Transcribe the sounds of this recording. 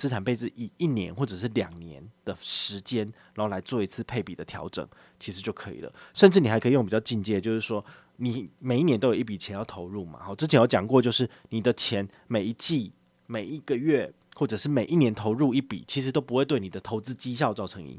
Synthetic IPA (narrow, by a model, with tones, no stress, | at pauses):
t͡sɹ̩˥ʈ͡ʂʰa˨˩npe˥˩ɪd͡z̩˨˩i˨˩i˥˩njɛ̰˧˦nxwɔ˥˩ʈ͡ʂɤ˨˩ʂ̬ɻ̩˥˩ljɑ˨˩ŋnjɛ̰˧˦nd̪̥ə˨ʂɻ̩˧˥t͡ɕjɛ˥nɻa˨˧˦xo˥˩la˧˥ɪt͡swɔ˥˩i˧˥t͡s̩ʰ˥˧pʰe˥˩ɪpi˨˩d̪ə˦t̪ʰjɑ̰˧˥ʊʈ͡ʂɤ̰˨˩˦ŋ | t͡ɕʰi˧˥ʂɻ̩˧˥t͡ɕjo˥˩ʊkʰɤ˧˦ḭ˨˩lə̰˩ʂə˥˧nʈ͡ʂɻ̩˥˩ni˨˩xɪkʰi˨jo˥˨ŋpi˨˩t͡ɕʊt͡ɕi˥˧nt͡ɕjɛ˥˧t͡ɕjo˥˧ʊʂɻ̩˥˩ʂwɔ˥ | ni˨˩me˨˩ɪi˥˩njnt̪o˥jo˨˩˦i˥˩p̬i˨˩t͡ɕʰɛ˧˥njɑ˥˩ʊt̪ʰo˧˥ʊɻu˥˩ma̰˨˩xɔ˥˩ʈ͡ʂɻ̩˥t͡ɕʰɛ˧˥njt͡ɕjɑ̰˨˩ŋkwɔ˥˧t͡ɕjo˥˧ʊʂɻ̩˥˩ni˨˩d̪ə˦t͡ɕʰjɛ˧˥n | me˨˩ɪi˧˥t͡ɕi˥˧ | me˨˩ɪi˧˦ɡ̥ə˨ɥɛ˥˩ | xwɔ˥˩ʈ͡ʂɤ˨˩ʂɻ̩˥˩me˨˩ʔi˥˩njɛ˧˥nt̪ʰo˧˥ʊɻu˥˧i˥˩pḭ˨˩t͡ɕʰi˧˥ʂɻ̩˧˥t̪o˥ʊp̬u˥xwe˥˧ɪwni˨˩d̪ə˦t̪ʰo˧˥ʊt͡sɹ̩˥t͡ɕi˥ɕ̬jɑ˥˧ʊt͡sɑ˥˩ʊʈ͡ʂʰɤ˧˥ŋḭ˥˧˩